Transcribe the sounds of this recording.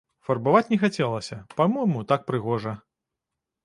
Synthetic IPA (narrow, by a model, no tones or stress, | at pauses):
fɐrbavat͡sʲnʲɛxat͡sʲɛlˠɐsʲɐpamɔjmut̪ak̚pɾɨɣɔʐɐ